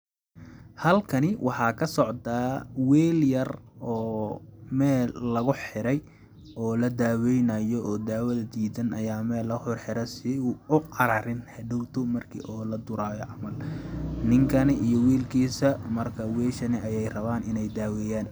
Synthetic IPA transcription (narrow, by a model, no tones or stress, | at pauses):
hɐlkʰɐnɪwʔɑħɑːkʰɐsɔʕt̪ʰaːwɛːljɐrɔːmɛːlːɐɣʊħɪɾɛj | ɔːlɐd̪aːwɛjnɐːjɔʔɔːd̪aːwɐðɐd̪iːd̪ɐnʔɐjaːmɛːlɐɣʊhɔrħɪɾɛsɪʊqɑɾaɾɪnhɐɖʊwt̪ʰʊmɐrkʰḭːʔɔːlɐd̪ʊɾaːjɔʕɑmɐlnɪŋkʰɐnɪʔijɔwiːlkʰiːsɐmɐrkʰɐwɛːʃɐnɪɐjɛjrɐβaːnɪnɛjd̪aːwɛːjaːn